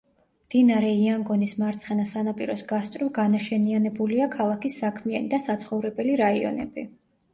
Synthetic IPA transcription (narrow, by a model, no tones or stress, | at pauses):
md̪̥inaɾɛiaŋɡɔnismaɾt̪sʰχɛnasanapʼiɾɔsɡast̪ʼɾɔɡanaʃɛnianɛbuliakʰalˠakisːakʰmianḭd̪asat̪sʰχɔvɾɛbɛliɾaiɔ̰nɛ̰bi